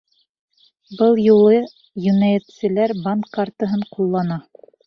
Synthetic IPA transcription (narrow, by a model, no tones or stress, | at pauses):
bɤlˠjulˠɤ | jɵ̆næjɘ̆t̪sɘ̆læɾbankːaɾt̪ɤ̆ɦɤɴqulˠːɑnɑ